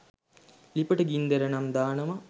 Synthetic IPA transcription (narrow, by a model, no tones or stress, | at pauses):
lipəʈəɡind̪eɾənamd̪aːnəmɐ